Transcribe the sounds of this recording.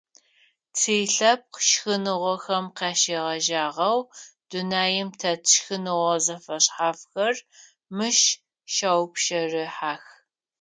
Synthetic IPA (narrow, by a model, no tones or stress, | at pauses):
t͡sʰeːɬɐp̚qʃxɨnɨʁʷɔxɐmqɑːʃeːʁɐʒaːʁɐwd̥unaːjɪmtʰɐtʰʃxɨnɨʁʷɔzɐfɐɕħaːfxɐr | mɨʃ | ʃawpʃɐrɨħaːx